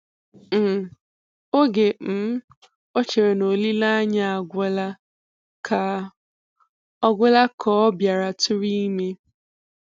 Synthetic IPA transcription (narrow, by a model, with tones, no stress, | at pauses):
m̩˨ | o˦ɡe˨m̩˨˦ | o˦t͡ʃe˨ɾe˨no˨li˦la˦a˦ɲa˦a˨ɡʷe˦la˦ | kʰa˨ | ɔ˦ɡʷe˦la˦kʰɔ˦ɔ˦bja˨ɾa˨tʊ˦ɾi˦i˦me˦